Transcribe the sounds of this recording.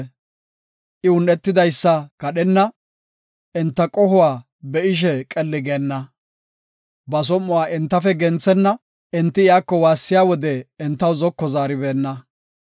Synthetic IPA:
ʔɪʊnːɛt̪ːɪd̪ɐjsːɐkɐɗɛnːɐ | ɛnt̪ːɐkʼɔhʊwaː | bɛʔɪʃ̬ɛkʼɛlːɪɡeːnːɐ | bɐs̬ɔmːʊwaːʔɪnt̪ːɐfɛɡɛnt͡sːɛnːɐ | ʔɛnt̪ːɪɪjaːkːɔwaːsːɪjaːwɔd̪ɛːnt̪ːɐwzɔkːɔzaːɾɪbeːnːɐ

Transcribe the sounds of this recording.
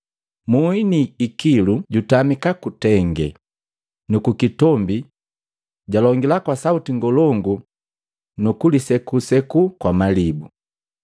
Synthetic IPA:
muiniːkiluɟutamikakutɛŋɡɛ̰ | nukukitɔmbi | ɟalɔŋɡilakwasautiŋɡɔlɔŋɡu | nukulisɛkusɛkukwamalibu

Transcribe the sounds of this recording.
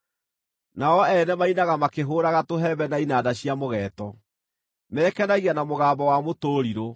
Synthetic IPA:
naɔɛnɛmainaɣamakeɦoːɾaɣatoɦɛbɛnainadaɕjamoɣɛːtɔ | mɛːkɛnaɣianamoɣaːmbɔwamotoːɾiɾo

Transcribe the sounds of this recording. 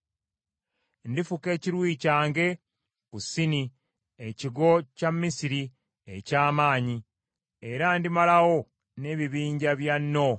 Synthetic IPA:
ndifuke̞ːciɾwiːcaːŋɡe̞ | kusini | eciɡo̞camːisiɾi | ḛcaːmaːɲi | e̞ɾandimalawo̞ | ne̞βiβiːɲɟaβjanːo̞

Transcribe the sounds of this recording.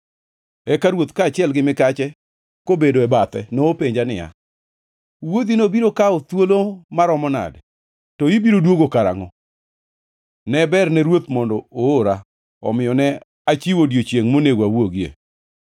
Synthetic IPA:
ɛkaɾwot̪kaːt͡ʃɪɛlɡɪmɪkat͡ʃɛ | kobedoɛbat̪ɛ̰nɔopeɲd͡ʒanɪ̰ja̰ | wod̪inobiɾokaot̪wolomaɾɔmɔna̰d | tɔibiɾodwoɡokaɾa̰ŋɔ | nɛbɛrnɛɾwot̪mɔndɔooɾa | ɔ̰mɪjɔnɛ | at͡ʃiwodjot͡ʃjeŋmoneɡwawoɡiḛ

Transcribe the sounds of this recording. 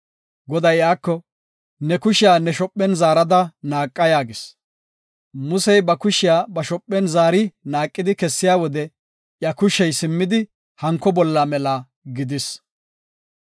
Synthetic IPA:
ɡɔd̪ɐjaːkːɔ | nɛkʊʃɪjaːnɛʃɔpʼːɛnzaːɾɐd̪ɐnaːkʼːɐjaːɡɪs | mʊsɛjbɐkʊʃɪjaːbɐʃɔpʼːɛnzaːɾɪnaːkʼːɪd̪ɪkɛsːɪjaːwɔd̪ɛ | ʔjɐkʊʃɛjsɪmːɪd̪ɪ | hɐŋkːɔbɔlːɐmɛla | ɡɪd̪ɪs

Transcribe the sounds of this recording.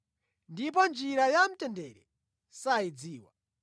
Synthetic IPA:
ndip̬ɔnd͡ʒiɾajam̩tɛndɛɾɛ | said͡ziːwa̰

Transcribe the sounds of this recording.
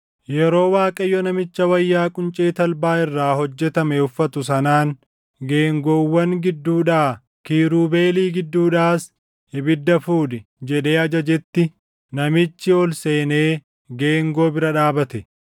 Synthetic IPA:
jɛɾo̞ːwaːkʼɐjːɔnɐmɪt͡ʃːɐwɐjːaːkʼʊnt͡ʃʼeːt̪ɐlbaːɪrːaːhɔd͡ʒːɛt̪ɐmɛʊfːɐt̪ʊs̬ɐnaːŋ | ɡe̞ːŋɡoːwːɐŋɡɪd̪ːuːᶑaː | kiːɾuːbe̞ːliːɡɪd̪ːuːᶑaːs | ɪbɪd̪ːɐfuːd̪ɪ | d͡ʒɛᶑe̞ːɐd͡ʒɐd͡ʒɛt̪ːɪ | nɐmɪt͡ʃːɪɔlse̞ːneː | ɡe̞ːŋɡo̞ːbɪɾɐᶑaːbɐt̪ɛ

